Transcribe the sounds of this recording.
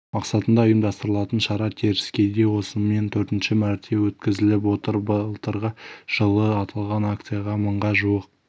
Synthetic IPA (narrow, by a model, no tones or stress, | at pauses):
mɑqsɑt̪ənd̪ɑojəmd̪ɑst̪əɾəlˠɑt̪ənʃɑɾɑt̪ʰeɾɪskʲe̞d̪e̞wo̞səme̞nt̪ʰɵɾt̪ɪnʃɪmæɾt̪ʰe̞wɵt̪kʲɪzɪlɪp̬wo̞t̪əɾbəlˠt̪əɾʁəʒ̥əlˠəɑt̪ʰɑlˠʁɑnakt̪sɨjɑʁɑməɴʁɑʒuwəq̚